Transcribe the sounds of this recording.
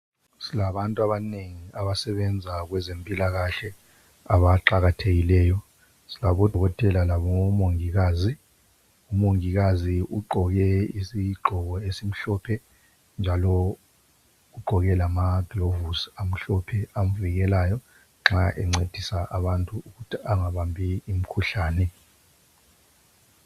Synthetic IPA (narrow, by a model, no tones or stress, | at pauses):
silaβantʼuaβaneŋiaβasɛβɛnd͡zʱaɣwɛzempʼilaɣaɬɛ | aβaǁaɣatʰeɣilɛːjɔ | silaβɔdʱɔɣɔtʼɛlalaβɔŋɔmoŋiɣaːzi | umoŋiɣaziʔuɡ͡ǃʱɔɣɛisiɡ͡ǃʱɔɣɔesim̩ɬɔpʰɛ | nd͡ʒʱalɔ | ɣuɡ͡ǃʱɔɣɛlamaɡ̥ʱlovusam̩ɬɔpʰɛam̩viɣɛlaːjɔ | ŋ͡ǁaʔɛŋ͡ǀed̥ʱisaʔaβantʼuuɣutʰiaŋaβambʱiːm̩kʰuɬaːnɛ